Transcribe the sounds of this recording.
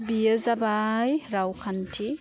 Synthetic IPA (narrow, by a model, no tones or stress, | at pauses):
bijəzabajɾawkʰantʰi